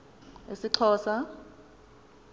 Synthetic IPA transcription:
esiǀʰɔːsa

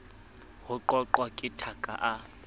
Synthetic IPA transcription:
hʊǃɔǃwakʼɪtʰakʼa̰ʔa

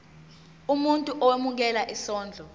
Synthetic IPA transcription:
umuntʼuʔɔwemuk̬ɛlaʔisɔːnd͡ɮʱɔ

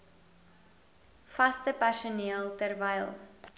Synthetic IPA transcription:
fɐstəpærsuniəlˠtərvɛjlˠ

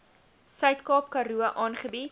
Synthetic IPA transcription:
sœɥtkɑːp̚kɐɾuəʔɑːnχəbit

